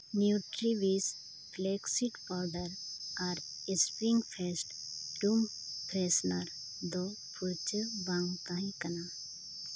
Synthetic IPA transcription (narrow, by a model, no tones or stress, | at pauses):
njuʈɾiʋis | bleksiʈpaɾɖəɾaɾ | espɾiŋɡfʰesʈɖum | pɾesnɐɾ | d̪o | pʰuɾt͡ʃəbãŋɡt̪ãĩkɐna